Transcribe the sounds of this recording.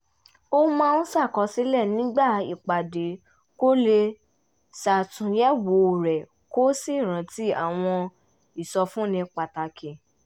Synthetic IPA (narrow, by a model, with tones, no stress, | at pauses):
o˦mãː˦˧nũ˦sa˦˨kɔ˧˦si˦lɛ˦˨nĩ˦ɡ͡ba˦˨i˨k͡pa˨de˨ | ko˦le˧ | sa˨tũ˨˦jɛ˦wo˨˦˨ɾɛ˨ | ko˦si˦˨ɾ̃ã˨˦ti˦a˨w̃ɔ̃˧ | i˨sɔ˧fũ˦nĩ˧k͡pa˨ta˧kʰẽ˨